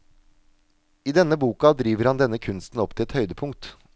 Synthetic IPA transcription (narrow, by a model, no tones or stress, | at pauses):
iːd̪ɛnəbuːkɑd̪ɾiːʋəɾhɑnd̪ɛnːəkʰʉnst̪n̩ɔpt̪ʰɪlɛt̪hœʏd̪əpʰʊŋ̚t̪